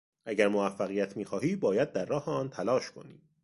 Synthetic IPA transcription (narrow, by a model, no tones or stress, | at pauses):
ʔæɟæɾmovæfːæɣijæt̪ʰmiːxɒːɦiːbɒːjæd̪̚ːæɾːɒːheɒːnt̪ʰælɒːʃkʰo̞̰nḭ̥ː